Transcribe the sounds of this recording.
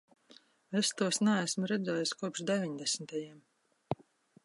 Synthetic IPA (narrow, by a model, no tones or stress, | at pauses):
est̪uɔsnɛæsmɾɛd̪zɛːjuskuɔpʃd̪ɛvʲiɲd̪ɛsmit̪ajiɛm